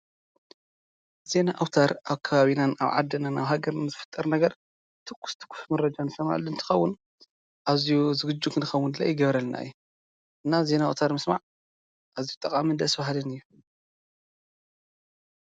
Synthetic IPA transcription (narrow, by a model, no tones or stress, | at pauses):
ze̞naʔawt̪ʰaɾʔaβkʰɐβaβinanaβʕa̰d̪ːɐnanaβɦaɡɐɾnzɨfɨ̥t̪ʼːɐɾnɐɡɐɾ | t̪ʰɨkʷʰːu̥st̪ʰɨ̥kʷʰːu̥smɐɾɐd͡ʒanfɐma̰lɨnt̪ʰɨ̥xɐwːʊn | ʔaβzijuzɨɡɨd͡ʒːukʰɨnɨxɐwːund̪la̰jɪɡɐβɾɐlna̰ɨjːu | ʔɨnːaze̞naawt̪ʰaɾmɨsmaʕ | ʔazijut̪ʼːɐkʼamind̪ɐsbahlɨnɨjːu